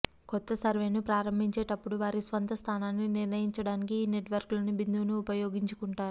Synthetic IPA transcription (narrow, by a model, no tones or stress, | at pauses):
kɔt̪ːɐsɐɾʋe̞ːnupɾaːɾɐmbʱiɲt͡ʃe̞ːʈɐpːuɽuʋaːɾisʋɐnt̪ɐst̪ʰaːnaːnːiniɾnɐjiɲt͡ʃɐɽaːnikiːne̞ʈʋɐɾkloːnubind̪uʋnuːpɐjoːɡiɲt͡ʃukuɳʈaːɾuu